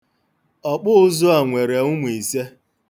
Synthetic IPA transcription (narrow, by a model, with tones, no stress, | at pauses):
ɔ˨k͡pʊ˦ʊ˦zʊ˦a˨ŋʷe˨ɾe˨ʊ˦mʊ˨i˨se˦